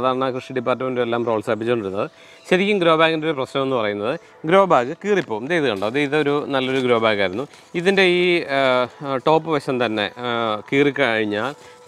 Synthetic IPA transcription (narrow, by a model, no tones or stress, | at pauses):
ðaːɾɳɐkrɨʂiɖipːaːrtːɐmendelːaːmro̞ːɭsɐp̬ːit͡ɕːoɳɖiɾunːɐðɨ | ɕɐɾikʲːumɡɾo̞ːbaːɣɐndeoɾuprɐɕnɐme̞nːɨpɐrɐjunːɐðɨ | ɡɾo̞ːbaːɣɨkiːripːo̞ːumd̪ejðɨɣɐɳɖaːʋðeiðɨo̞ɾunɐlːo̞ɾuɡɾo̞ːbaːɣaːjiɾunːu | iðinde̞iː | ʈo̞ːpːɨʋɐɕɐmt̪ɐnːe̞̰kiːrikʲːɨɐɻiɲːaːl